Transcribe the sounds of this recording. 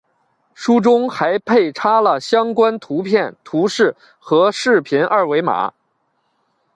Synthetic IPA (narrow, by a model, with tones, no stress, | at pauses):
ʂu˥ʈ͡ʂʊ˥ŋxa˧˥ɪpʰe˥˩ɪʈ͡ʂʰa˥lə˨ɕjɑ˥ŋkwa˥nt̪ʰu˧˥pʰjɛ˥˩nt̪ʰu˧˥ʂɻ̩˥˩ | xɤ˧˥ʂɻ̩˥˩pʰi˧˥nʔɐ˥˩we˧˥ɪma̰˨˩˦